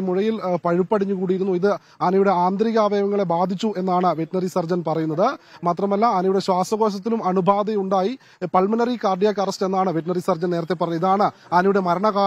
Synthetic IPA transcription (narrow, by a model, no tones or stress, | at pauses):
muɻɐjilpɐɻipːɐɽiɲːukuːɽijiɾunːuiðɨ | aːnɐjuɽe̞aːnd̪ɾiɣaːʋeːmɐŋːɐɭe̞baːd̪ʱit͡ɕːue̞nːaːɳɨʋeʈnɐrisɐrd͡ʑɐnpɐrɐjunːɐðɨmaːt̪rɐmɐlːɐːnɐjuɽe̞ɕwaːsʋɐɣo̞ːɕ̬ɐt̪̬ːilumɐɳubʱaːd̪ɐuɳɖaːji | pɐɭmɐnɐrikaːrɖijakɐrɐste̞nːaːɳɨʋeʈ̬nɐrisɐrd͡ʑɐneːɾɐt̪ːepːɐrɐɲːuiðaːɳɨ | aːnɐjuɽe̞mɐɾɐɳɐɣaː